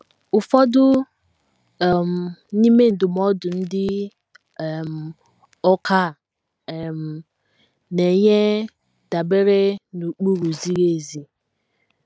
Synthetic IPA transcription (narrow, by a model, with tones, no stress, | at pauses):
ʊ˨fɔ˦dʊ˦˨ | m̩˨ni˦me˦n̩˨dʊ˨m˦ɔ˦dʊ˨n̩˦dɪ˦˨ | m̩˨ | ɔ˦ka˦˨ | m̩˨ | ne˨ɲe˦ | da˨be˦ɾe˦nu˨k͡pu˦ɾu˨zi˦ɾe˦˨zi˨